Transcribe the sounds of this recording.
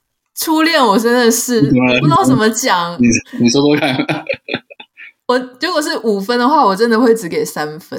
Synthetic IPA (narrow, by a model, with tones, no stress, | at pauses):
ʈ͡ʂʰu˦ljɛ˥˩nwɔ˨˩ʈ͡ʂə˦˥nd̪ə˨ʂɻ̩˥˩u˧˥˧t̪a˥˩ʊʂə˨˩nmə˦t͡ɕjɑ˨˩˦ŋi˨˩ni˨˩so˥t̪o˥kʰa˥˨n | wɔ˨˩ju˧˥kwɔ˨˩ʂ̬ɻ̩˥˩ʔu˨˩fə˦nd̪ə˨xwa˥˩wɔ˨˩ʈ͡ʂə˦nd̪ə˨xwe˥˩ɪʈ͡ʂɻ̩˧˥ke˨˩ɪsa˦nfə˦